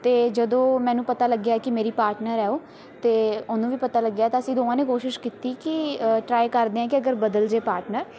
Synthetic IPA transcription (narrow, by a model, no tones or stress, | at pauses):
t̪eːd͡ʒəd̪õːmɛ̃ːnũːpət̪aːləɡjaɛːkɪmeːɾiːpaːɾʈnəɾɛːoː | t̪eːʊnũːʋiːpət̪aːləɡːjaːɛːt̪ãːəsĩːd̪oːãːneːkoːʃɪʃkiːt̪iːkɪʈɾaːikəɾd̪eːãːkɪəɡəɾbəd̪əld͡ʒeːpaːɾʈnəɾ